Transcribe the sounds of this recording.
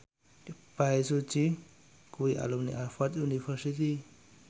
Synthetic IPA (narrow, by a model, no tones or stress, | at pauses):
pais̬ut͡ʃi | kuwiʔa̰lumnḭʔafat̪junifɛɾsit̪i